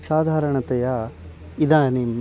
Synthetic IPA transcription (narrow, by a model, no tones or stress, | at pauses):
saːd̪ʱaːɾɐɳɐt̪ɛja | id̪ɐnim